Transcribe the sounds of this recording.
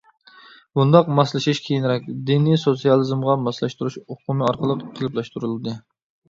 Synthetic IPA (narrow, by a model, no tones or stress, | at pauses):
bund̪ɑqmɑslˠɨʃiʃkʲʰejinɾɛk̚ʲd̪inisot̪sijɑlˠɨzmʁɑmɑslˠɑʃt̪uɾuʃoqʊmɨɑɾqəlˠəqʰəlˠɨplˠɑʃt̪uɾɨlˠɨd̪ɨ